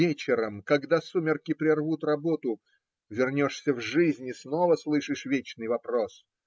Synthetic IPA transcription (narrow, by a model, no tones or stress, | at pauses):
et͡ɕɪɾəmkɐɡd̪asumʲɪrkʲɪpɾʲɪrvut̪rɐbo̞t̪ʊ | vʲɪrnʲo̞ʂsʲəvʐɨzʲnʲɪsnovəslˠɨʂɨʂvʲet͡ɕnɨjvɐpɾo̞s